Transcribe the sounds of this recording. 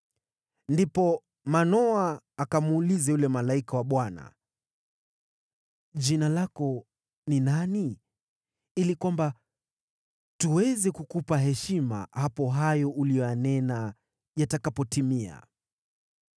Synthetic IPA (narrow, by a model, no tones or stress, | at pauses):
ndipɔ | manɔaːkamuːlizɛjulɛmalaikawaɓwana̰ | d͡ʒinalakɔ | ninani | ilikwamba | tuwɛzɛkukupaɦɛʃima̰hapɔɦajɔʔulijɔjanɛna | jatakapɔtimia̰